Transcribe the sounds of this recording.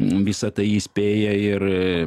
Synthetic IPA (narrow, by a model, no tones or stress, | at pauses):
ʋʲɪsɐt̪ɐɪiːsʲpʲeːjɛɪr